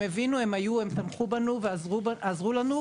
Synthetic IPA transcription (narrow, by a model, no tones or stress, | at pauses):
mevinue̞majuemsamχubanuvzazʁulanu